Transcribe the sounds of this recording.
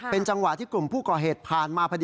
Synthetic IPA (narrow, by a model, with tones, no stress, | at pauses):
pe˧nt͡ɕa˧ŋwa˨ʔt̪ʰiː˥˩klu˨˩mpʰuː˥˩kɔː˨˩ɦeː˨˩t̪̚pʰaː˨˩nmaː˧pʰa˧d